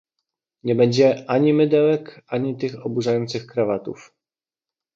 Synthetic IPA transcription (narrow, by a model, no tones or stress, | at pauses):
ɲɛbɛɲd͡ʑɛʔaɲimɘd̪ɛwɛkaɲit̪ɘxɔbuʐajɔnt̪sɘxkɾavat̪ṵf